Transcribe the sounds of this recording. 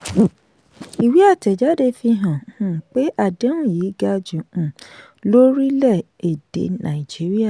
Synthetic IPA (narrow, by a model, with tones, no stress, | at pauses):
i˨wi˨˦a˦˨tɛ˨d͡ʒa˨˦de˦fĩ˧ɦã˨hũ˨k͡pe˦ʔa˦˨dẽ˨˦ũ˦˨ji˨˦ɡa˧d͡ʒũ˨ũ˨ | lo˦ɾi˦lɛ˦˨ | e˨d̥ḛ˨˦nã̰˨i˨d͡ʒi˨˦ɾi˦a˦˨